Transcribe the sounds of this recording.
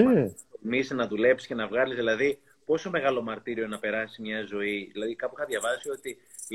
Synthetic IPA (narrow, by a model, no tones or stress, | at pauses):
misinɐðule̞psi̥sce̞nɐvɣɐlizðilɐði | po̞so̞me̞ɣɐlo̞mɐɾt̪iɾio̞nɐpe̞ɾɐsizmɲɐzo̞iðilɐðikɐpuixɐðʝɐvɐsio̞t̪i